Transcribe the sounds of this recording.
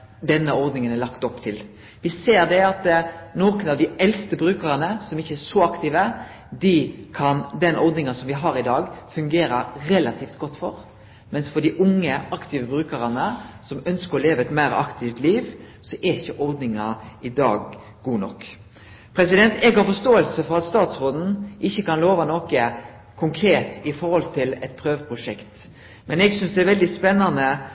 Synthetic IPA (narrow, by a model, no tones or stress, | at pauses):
d̪ɛnːəɔɾd̪nɪŋənælɑkt̪ɔpːt̪ʰɪl | ʋɪseːɾd̪ɛɑt̪noːkənɑʋd̪ɪɛlst̪əbɾʉːkəɾənəsɔmɪçːəɛʂɔɑkt̪iːʋə | d̪ɪkʰɑnd̪ɛnʔɔɾd̪nɪŋɑsɔmʋɪɦɑɾɪd̪ɑːɡfʉŋɡeːɾəɾɛlɑt̪ʰiːft̪ɡɔt̪ːfɔɾ | mɛnsfɔd̪ɪʔʊŋːəɑkt̪ɪːʋəbɾʉːkəɾɑnəsɔmœnskəɾɔleːʋəɛt̪mæːɾɑ̰kt̪ʰɪft̪liːʋ | sɔʔɛɪçːəʔɔɾd̪nɪŋɑɪd̪ɑ̰ːɡ | ɡuːnɔ̰kː | pʰɾɛsɪd̪ɛnt̪ɛɡhɑfɔst̪oːəlsəfɔɾɑt̪st̪ɑːt̪sʁoːd̪n̩ʔɪçːəkɑnloːʋɑnokə | kʰʊŋkʰɾeːt̪ɪfɔɾhɔlt̪ʰɪlɛt̪̚pʰɾøːʋpʰʁʊʂɛkt̪ | mɛnɛɡsʏnsd̪ɛɛɾʋɛld̪ɪspɛnːɑnə